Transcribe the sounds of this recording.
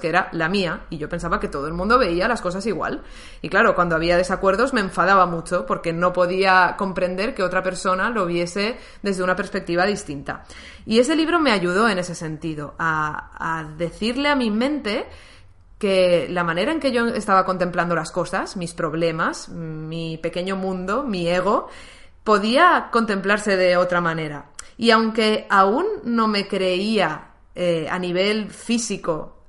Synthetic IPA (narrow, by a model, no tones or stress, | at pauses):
keeɾalamiaiʝo̞pens̬aβake̞t̪o̞ðoelmũnd̪o̞βe̞ialasko̞sasiɣwa̰l | iklaɾo̞kwand̪oaβ̞iað̞e̞sakwe̞ɾðo̞zme̞ːɱfaðaβamut͡ʃo̞po̞ɾke̞no̞po̞ðiako̞mpɾe̞nd̪e̞ɾke̞o̞t̪ɾape̞ɾso̞nalo̞β̞je̞se̞ | ðe̞zðe̞unape̞ɾspe̞k̚t̪iβaðist̪int̪a̰ | ie̞s̬e̞liβ̞ɾo̞me̞aʝuð̞o̞e̞ne̞se̞se̞nt̪iðo̞aː | ðe̞θiɾle̞amimẽ̞nt̪e̞ | ke̞lamãne̞ɾae̞ŋke̞ʝo̞e̞st̪aβ̞ako̞nt̪e̞mpland̪o̞lasko̞sasmispɾo̞β̞le̞masmipe̞ke̞ɲo̞mũnd̪o̞mie̞ɣ̞o̞ | po̞ðiako̞nt̪ẽ̞mplaɾse̞ðe̞o̞t̪ɾamãne̞ɾa̰iawŋke̞aunːõ̞me̞kɾe̞ia | ea̰niβ̞e̞lfisiko̞